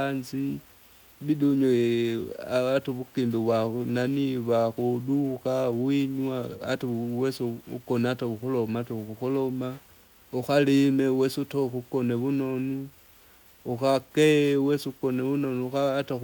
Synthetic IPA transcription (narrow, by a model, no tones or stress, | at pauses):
anzi | βiduɲo | aatoβukimbiβwananiβaxuduxawiɲwaːtawesṵkonataβuxulomataxuxulo̞ma | uxalimewesutoxukoneβuno̞nu | uxakeweskoneβunonuxata